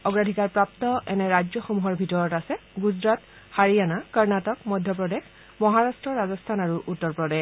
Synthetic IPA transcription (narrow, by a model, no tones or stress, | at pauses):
ɔɡɹadʱikaɹpɹap̚tɔʔɛnɛɹad͡ʒɔxomuɦɔɹbʱitɔɹɔtasɛɡuzɹat | haɹijanakɔɹnatɔkmɔjdʱjɔpɹɔdex | mɔɦaɹastɹɔɹazɔstʰanaɹuʔutːɔɹpɹɔde